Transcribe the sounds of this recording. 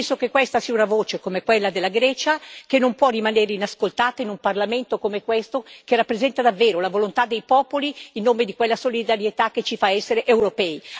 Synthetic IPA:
nsokekːwest̪asiːaunavoːt͡ʃekomekwelːad̪elːaɡɾɛːt͡ʃakenːompwɔrːimaneːɾeinaskolt̪aːt̪ainumparlament̪okomekwest̪okerapːɾezɛnt̪ad̪avːeːɾolavolont̪ad̪ːejpɔːpoliːnːoːmed̪ikwelːasolid̪aɾjet̪ak̟ːet͡ʃifaɛsːeɾeʔewɾopɛːi

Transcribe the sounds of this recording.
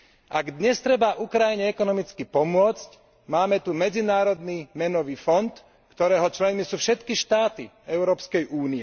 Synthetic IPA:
ʔaɡd̪ɲɛst̪ɾɛbaʔukɾajiɲɛɛkɔnɔmit͡skipɔmʊɔt͡sc | maːmɛt̪umɛd͡zinaːɾɔd̪nimɛnɔʋiːfɔnt̪ | kt̪ɔɾɛːɦɔt͡ʃlɛnmisuːfʃɛt̪kiʃt̪aːt̪i | ɛʊɾɔːpskɛjʔuːniɛ

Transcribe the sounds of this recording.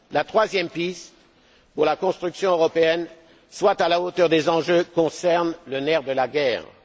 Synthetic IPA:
lat̪χwazjɛmpist̪ | puʁlakɔ̃st̪χyksjɔ̃øʁɔpeɛn | swat̪alaot̪œʁd̪ezɑ̃ʒøkɔ̃sɛʁnlənɛʁd̪əlaɡɛːʁ

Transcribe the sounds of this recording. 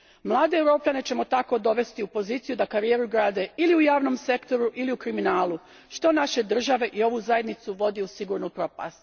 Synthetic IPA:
mlˠaːd̪eewɾo̞ːpʎane̞t͡ɕe̞mo̞t̪ako̞d̪o̞ʋe̞st̪iupo̞ziːt̪sijud̪akaɾijeːɾuɡɾaːd̪e̞iliujaːʋno̞mse̞kt̪o̞ɾuʔiliukɾiminaːlˠu | ʃt̪o̞naʃe̞d̪r̩ʒaʋe̞ʔio̞ʋuzaje̞d̪nit̪suʋo̞d̪ijusiɡuːɾnupɾo̞pa̰st̪

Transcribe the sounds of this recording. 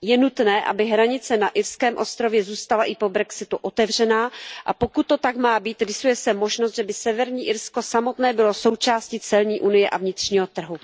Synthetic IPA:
jɛnut̪nɛːʔa̰bɪɦɾaɲɪt͡sɛnaʔɪɾskɛːmʔo̞st̪ɾo̞vjɛzuːst̪alaʔɪpo̞bɾɛksɪt̪uʔo̞t̪ɛvr̝ɛnaːʔa̰po̞kut̪ːo̞t̪akmaːbiːt̪ɾɪsujɛsɛmo̞ʒnost̪ʒɛbɪsɛvɛɾɲiːʔɪɾsko̞samo̞t̪nɛːbɪloso̞wt͡ʃaːscit͡sɛlɲiːʔunɪjɛʔa̰vɲɪt̪r̝̥ɲiːɦo̞t̪r̩ɦu

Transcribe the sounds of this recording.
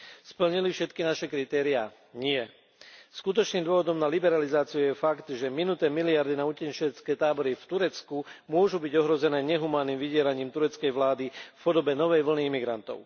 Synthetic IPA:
spl̩ɲilifʃɛt̪kinaʃɛkɾit̪ɛːɾia | ɲɪɛ | skut̪̬ɔt͡ʃniːmd̪ʊɔʋɔd̪ɔmnalibɛɾalizaːt͡siujɛfakt̪ʒɛminut̪ɛːmiliaɾd̪inaucɛnt͡ʃɛt͡skɛːt̪aːbɔɾift̪uɾɛt͡skumʊɔʒubiɟɔɦɾɔzɛnɛːɲɛɦumaːnːiːmʋiɟɪɛɾaɲiːmt̪uɾɛt͡skɛjʋlaːd̪ifpɔd̪ɔbɛnɔʋɛjʋl̩niimiɡɾant̪ɔ̰ʊ

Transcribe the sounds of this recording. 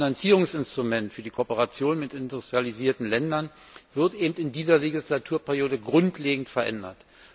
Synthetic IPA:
nant͡siːʁʊŋsɪnstʁ̥umɛntfyːɐdiːkʰoːpəʁat͡sjoːnmɪtɪndʊstʁ̥ializiːɐtn̩lɛndɐn | v̥ɪɐtʔeːbm̩tɪndiːzɐleɡislatʰuːɐpʰɛʁjoːdəɡʁʊntʰleːɡŋ̩tfɛɐʔɛ̰ndɐ̰t

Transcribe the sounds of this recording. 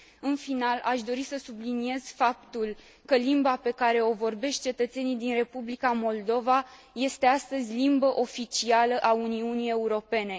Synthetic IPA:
ɨnfinalʔaʃd̪o̞ɾisəsublinie̞z̥fap̚t̪ul | kəlimbape̞kaɾe̞o̞vo̞rbe̞ʃt̪̚t͡ʃe̞t̪ət̪se̞nid̪inre̞publikamo̞ld̪o̞va | je̞st̪e̞ast̪əzʲlimbəʔo̞fit͡ʃialəʔauniunije̞uɾo̞pe̞ne̞

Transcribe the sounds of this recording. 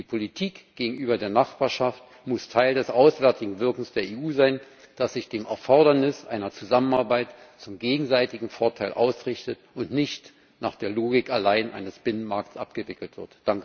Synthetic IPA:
d̥iːpʰolitʰiːkɡ̥eːɡŋ̩ʔyːbɐdeːɐnaχb̥aːɐʃaft | mʊstʰaɪldɛsʔaʊsv̥ɛɐtɪɡŋ̩vɪɐkŋ̩sd̥eːɐeːuːzaɪn | d̥asz̥ɪçd̥eːmʔɛɐfɔɐɾɐnɪsʔaɪnɐt͡suzamənaɐbaɪtt͡sʊmɡeːɡŋ̩zaɪtɪɡŋ̩foɐtʰaɪlʔa̰ʊsʁɪçtətʊntnɪçt | na̰ːχd̥eːɐloːɡɪkalaɪnʔa̰ɪnəsb̥ɪnənmaɐk̚tsʔa̰pɡ̥əvɪkl̩tv̥ɪ̰ɐtd̥aŋkə

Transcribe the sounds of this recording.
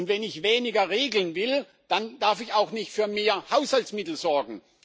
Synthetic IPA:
ʊntvɛnɪçveːnɪɡɐʁeːɡl̩ənvɪl | d̥and̥aɐfɪçaʊxnɪçtfyːɐmeːɐhaʊshaltsmɪtl̩zɔɐɡŋ̩

